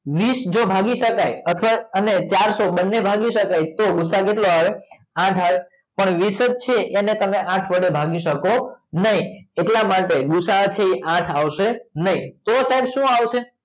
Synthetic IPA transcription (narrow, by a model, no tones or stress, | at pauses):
ʋisd͡ʒobʱaɡiʃəkajət̪ʰʋaənet͡ʃaɾsobənːebʱaɡiʃəkajt̪oɡʊsakeʈloaʋe | ãʈʰa | pəɳʋisət̪̚t͡ʃʰeʔenet̪əmeʔãʈʰʋəɽebʱaɡiʃəkonəɦieʈlamaʈeɡʊsat͡ʃʰeiʔãʈʰaʋʃenəɦĩt̪osaibʃũaʋʃe